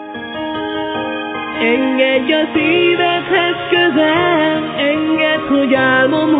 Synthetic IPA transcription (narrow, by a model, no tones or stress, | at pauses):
ɛŋɡɛɟːɒsiːvɛt̪hɛzkøzɛlɛŋɡɛt̪hoɟaːmom